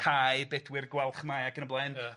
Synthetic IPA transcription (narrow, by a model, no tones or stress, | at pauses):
kʰajbɛdwɪrɡwɛlˠχmajaɡənəblˠajn